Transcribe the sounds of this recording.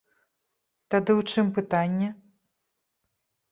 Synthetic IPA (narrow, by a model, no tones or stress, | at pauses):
t̪ad̪ɨwt͡ʂɨmpɨt̪anʲːɛ